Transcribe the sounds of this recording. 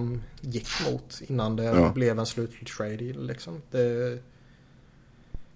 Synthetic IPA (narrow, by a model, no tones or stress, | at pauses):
mjɪkːmṵːt̪ɪnːand̪ɛblɛvɛnslʉ̟ːt̪t̪ʰɪlt̪ʰɹeɪd̪ɪlɪksɔmd̪̥ɛ